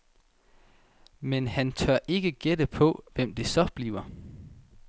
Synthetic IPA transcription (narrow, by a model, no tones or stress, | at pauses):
menhænt͡sʰɶɐ̰ʔe̝ɡ̥əɡ̥ed̥əpʰɒ̽ʋem̰d̥e̝sɒ̽b̥liːʊɐ